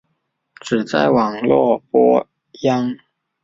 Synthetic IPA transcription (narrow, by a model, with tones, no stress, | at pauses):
ʈ͡ʂ̩˨˩t͡sa̰˥˩ɪwɑ˨˩ŋlwɔ˥˩pwɔ˥ | jɑ˥ŋ